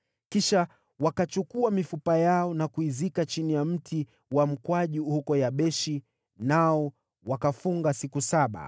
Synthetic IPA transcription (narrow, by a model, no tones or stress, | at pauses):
kiʃa | wakat͡ʃukuamifupajaɔnakuizikat͡ʃinijam̩tʰi | wam̩kwaʄihukɔjaɓɛʃi | naɔ | wakafuŋɡasikusaɓa̰